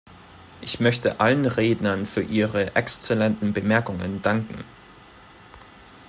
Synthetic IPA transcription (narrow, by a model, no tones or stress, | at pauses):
ʔɪçmœçtəʔalənʁeːdnɐnfyːɐʔiːʁəʔɛkst͡sɛlɛntn̩bəmɛɐkʊŋə̰ndaŋkŋ̩